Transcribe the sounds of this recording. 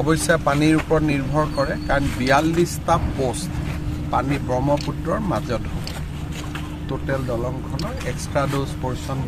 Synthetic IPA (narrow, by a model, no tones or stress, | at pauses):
ɔbɔjsiapaniɹupɔɹɔtniɹbʱɔɹkɔɹɛkaɹɔnbijalːistapostpanibɹɔmɔputɹɔɹmazɔtɦo | totɛldɔlɔŋkʰɔnɔɹɛkstɹadospɔɹsɔn